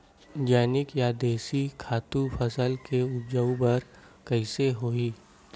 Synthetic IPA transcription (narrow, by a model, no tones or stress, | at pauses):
d͡ʒaːnɪkjad̪eːsikʰaːt̪ũpʰɐsəlkeʊd͡ʒəubɐɾ | kɐɪseɦoːiː